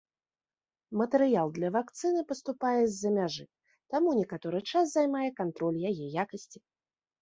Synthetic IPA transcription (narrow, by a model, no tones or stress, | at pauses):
mɐt̪ɛɾɨjalˠd̪lʲɐvakt̪sɨnɨpɐst̪upajɛzʲːɐmʲaʐɨ | t̪amunʲɛkat̪ɔɾɨt͡ʂas̬zajmajɛkant̪ɾɔlʲjajɛjakɐsʲt͡sʲi